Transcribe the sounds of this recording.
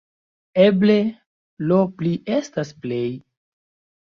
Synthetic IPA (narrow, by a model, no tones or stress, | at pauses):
eble | lopliestasple̞j